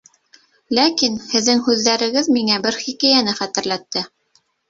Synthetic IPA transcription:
lækinhɘ̆ðːɘŋhʉðːæɾɘ̆ɡɘðmiŋæbɘɾχikæjænɘχæt̪ɘ̆ɾlæt̪ːɘ

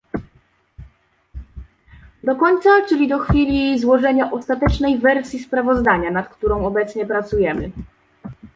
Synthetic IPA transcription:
d̪ɔkɔɲt̪sat͡ʂɘlʲid̪ɔxfʲilʲizwɔʐɛɲaʔɔst̪at̪ɛt͡ʂnɛjvɛɾsʲjispɾavɔzd̪aɲanat̪kt̪uɾɔ̃w̃ɔbɛt̪sɲɛpɾat̪sujɛmɘ̰

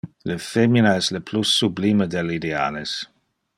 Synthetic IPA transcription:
ləfeminaɛsləpʰlusːublimədɛlidea̰ːles

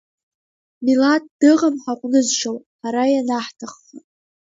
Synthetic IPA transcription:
milat̚ʼd̥ɨʁamħaqʷʼnɨzʃow | ħaɾajanaħtʰaχːa

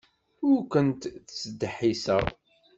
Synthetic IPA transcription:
ʊɾkənt̪θt͡sːd̪ħisə̰ʁ

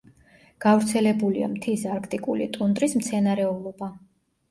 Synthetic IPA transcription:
ɡ̥avɾt̪sʰɛlɛbulia̰mt̪ʰisaɾkʰt̪ʼikʼulḭt̪ʼund̪ɾismt̪sʰɛnaɾɛɔlˠɔba

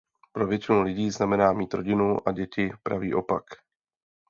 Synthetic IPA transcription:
pɾo̞vjɛt͡ʃɪnulɪɟiːznamɛnaːmiːt̪ɾo̞ɟɪnuʔa̰ɟɛcɪpɾa̰viːʔo̞pak

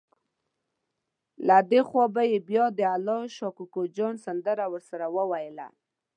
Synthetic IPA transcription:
lad̪exwɑbajebjɑd̪əalɑʃɑkukod͡ʒɑnsand̪əɾawəɾsaɾawəwajla̰

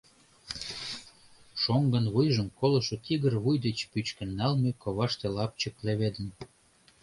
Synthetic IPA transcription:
ʃoŋɡə̆nβujʒəmkolɤ̆ʃŏt̪iɣərβujd̪et͡ɕpyt͡ɕkə̆nːɑlmekoβɑʃt̪elɑp̚t͡ɕəkleβed̪ə̆n

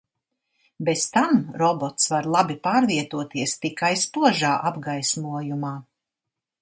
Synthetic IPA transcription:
best̪amɾɔbɔt̪svaɾlˠabipaːɾviɛt̪uɔt̪iɛst̪ikajspuɔʒaːʔabɡajsmuɔjumaː

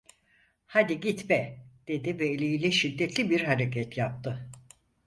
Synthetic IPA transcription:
had̪iɟit̪bɛd̪̥e̞d̪ivɛːlʲijilʲɛʃid̪ːɛt̪ʰlʲibiɾɦaɾecʰɛt̪ʰjap̚t̪ʰɯ

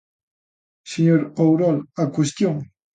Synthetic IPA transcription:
seɲoɾowɾɔlakwest̪joŋ

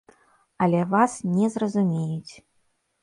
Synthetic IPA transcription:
ɐlʲɛvasnʲɛzrɐzumʲejut͡sʲ

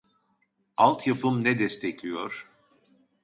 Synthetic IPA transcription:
alˠt̪ʰjapʰɯmnɛd̪ɛst̪ʰɛclʲijoɾ̥

